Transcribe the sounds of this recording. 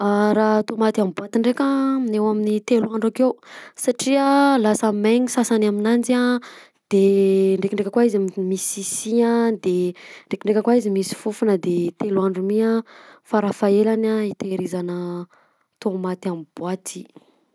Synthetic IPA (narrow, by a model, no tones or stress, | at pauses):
aɾat̪omat̪amibuat̪iɳɖ͡ʐekʲainewaminit̪eluaɳɖ͡ʐakewsaʈ͡ʂiəlasameɲisasanaminand͡ʒa | d̪̥eɳɖ͡ʐekiɳɖ͡ʐekʲəkwaizimisisiad̪eɳɖ͡ʐekiɳɖ͡ʐekʲəkwaizimisi̥fufunəd̪et̪eluaɳɖ͡ʐumiafaɾafaelanait̪eɾizanə | t̪omat̪amib̥uat̪i̥